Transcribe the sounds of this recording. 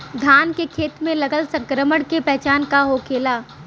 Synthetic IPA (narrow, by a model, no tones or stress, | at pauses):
d̪ʱaːnkekʰeːt̪mẽlɐɡəlsɐ̃ŋkɾəməɽkepɛɦt͡ʃaːnkaɦoːkʰeːlaː